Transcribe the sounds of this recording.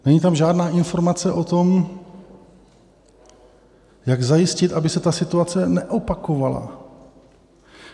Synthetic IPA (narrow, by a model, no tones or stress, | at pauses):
nɛɲiːt̪̬amʒaːdnaːʔɪnfo̞ɾmat͡sɛʔo̞t̪o̞m | jaɡzajɪscɪt̪ʔabɪsɛt̪asɪt̪uat͡sɛnɛʔo̞pako̞vala̰